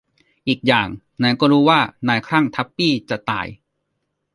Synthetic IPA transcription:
ʔiː˨˩k̚jaː˨˩ŋ | naː˧˥˦kɔː˥˩ɾuː˦˥waː˥˩naː˧jkʰɾa˥˩ŋt̪ʰa˦˥pːiː˥˩t͡ɕa˨˩t̪a̰ː˨˩j

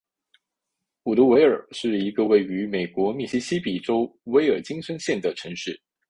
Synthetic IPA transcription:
u˨˩lu˧˥we˧˥ɪə˞˨˩ʂɻ̩˥˩i˧˥ɡə˧we˥˩ɪy˧˥me˨˩ɪkwɔ˧˥mi˥˩ɕi˥ɕi˥pi˨˩ʈ͡ʂo˥ʊwe˧˥ɪə˞˨˩t͡ɕi˥ŋsə˥nɕjɛ˥˩nd̪ə˩ʈ͡ʂʰɤ˧˥ŋʂɻ̩˥˩

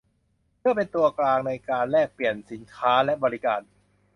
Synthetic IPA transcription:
mɯ˥˩ɐpe˧nt̪u˧ɐklaː˧ŋna˧jkaː˧nlɛː˥˩k̚pli˨˩ənsi˩˦nkʰaː˦˥lɛ˦˥bɔː˧ɾi˦˥ka̰ː˨˩n

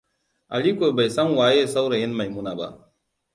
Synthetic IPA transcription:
ɐ̰˨li˦ko˨bɐ˨jsɐ˦mwaː˨˦je˦sɐ˦wɾɐ˨ɪ˦nmɐ˨jmu˦na˨ba̰˨

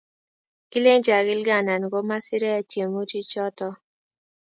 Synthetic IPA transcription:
ki˦le˦ŋd͡ʒa˨ɡɪ˦lɡa˦˨na˨n˨ɡo˦ma˦sɪ˦ɾɛ˦t͡ʃje˨mo˦d͡ʒi˦t͡ʃɔ˦tɔ˦

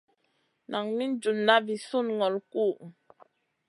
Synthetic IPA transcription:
na˨ŋni˦n˦d͡ʒu˨nːa˦vi˨su˦˨nŋɔ˨lku˦˨

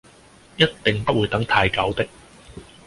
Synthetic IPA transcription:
jɐ˥t̪t̪ɪ˨ŋpɐ˥t̚wuː˨˧jt̪ɐ˨˥ŋt̪ʰaː˧jkɐ˨˥wt̪ɪ˥k̚

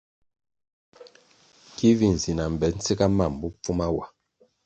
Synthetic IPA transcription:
ki˦vi˨n˨zi˨na˨m˨bɛ˨˦n̩˦t͡se˦ka˦ma˨m˨bu˦p͡fu˦ma˦wa˨

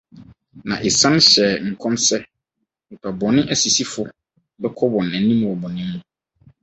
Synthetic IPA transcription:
nã̰˨ʔɪ˨sã˦n˦ɕɛ˨ŋ̩˨kʰɔ̃˦msɛ˦ | m̩˨pʰa˨bɔ˨nɪ̃˦ʔæ˨si˨si˦fʊ˦ | bɛ˦kʰɔ˦bɔ̃˨nɛæ̃˨nĩ˦m˨ɔ˨bɔ˨nɪ̃˦mːũ˦˨

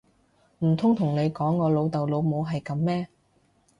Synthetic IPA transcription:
m̩˨˩t̪ʰʊ˥ŋt̪ʰʊ˨˩ŋne˨˧jkɔː˨˥ŋːɔː˨˧lo˨˧wt̪ɐ˨wlo˨˧wmo˨˧wɦɐ˨jkɐ˨˧˥mːɛː˥

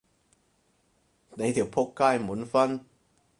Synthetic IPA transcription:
ne˨˥jt̪ʰi˨˩wpʰo˥kkːaː˥˧jmuː˨˥nfɐ˥n

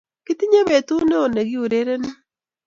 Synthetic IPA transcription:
kɪ˦t̪i˦ɲe˦βe˨t̪u˦ne˦o˨ne˨ɡi˦u˨ɾe˦ɾe˦ne˦

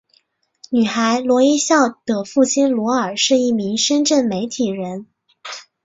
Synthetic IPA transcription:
ny˨˩xa˧˥ɪlwɔ˧˥i˥ɕjɑ˥˩ʊt̪ɤ˨˩fu˥˩t͡ɕʰi˥nlwɔ˧˥ə˞˨˩ʂɻ̩˥˧i˥˩mi˧˥ŋʂə˥nʈ͡ʂə˥˩nme˧˥ɪt̪ʰi˨˩ɻə˧˥n

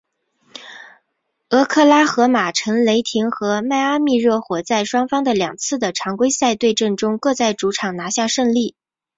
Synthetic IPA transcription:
ɤ˧˥kʰɤ˥˩la˥xɤ˧˥ma˨˩ʈ͡ʂʰə˧˥ŋle˧˥ɪt̪ʰi˧˥ŋxɤ˧˥ma˥˧ɪa˥mi˥˧ɻɤ˥˩xwɔ˨˩t͡sa˥˩ɪʂwɑ˥ŋfɑ˥ŋd̪ə˨ljɑ̰˨˩ŋt͡sʰɹ̩˥˩d̪ə˩ʈ͡ʂʰɑ˧˥ŋkwe˥ɪsa˥˧ɪt̪we˥˧ɪʈ͡ʂə˥˩nʈ͡ʂʊ˥ŋkɤ˥˧t͡sa˥˩ɪʈ͡ʂu˧˥ʈ͡ʂʰɑ˨˩ŋna˧˥ɕja˥˧ʂɤ˥˧ŋli˥˩

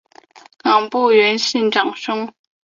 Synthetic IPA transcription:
kɑ˨˩ŋpu˥˩ɥɛ˧˥nɕi˥˩nʈ͡ʂɑ˨˩ŋʂʊ˥ŋ

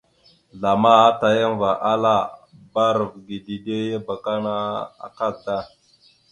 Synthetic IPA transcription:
ɮa˨ma˦a˦ta˨ja˦ŋva˨ʔa˦la˦˨ba˦ɾə˨vɡi˨di˨de˦ja˦ba˨ka˦na˦a̰˨ka˦˨ta˦˨

